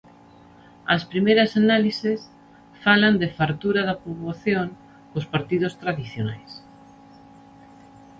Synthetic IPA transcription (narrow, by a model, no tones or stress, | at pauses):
ɐ̰spɾimejɾɐsanalises | faland̪efaɾt̪uɾaðapoβaθjoŋ | kospaɾt̪iðost̪ɾaðiθjona̰js